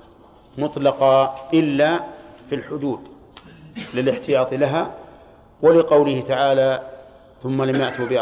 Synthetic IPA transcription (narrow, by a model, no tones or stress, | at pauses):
mʊt̪ˤlɑqɑʔɪlːaːfilħʊd̪uːd̪ | lɪlɪħt̪ɪjɑːt̪ˤlaɦaː | walɪqɑwlɪhɪt̪aʕaːla | θʊmːalamjaʔt̪ubɪ